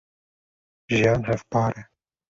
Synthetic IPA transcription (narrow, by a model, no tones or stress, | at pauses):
ʒijɑːnɦɛvpɑːɾɛ